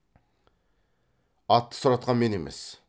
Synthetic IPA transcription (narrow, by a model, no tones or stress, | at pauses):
ɑt̪ːə̥sʊɾɑt̪̚qʰɑnme̞ne̞me̞̰s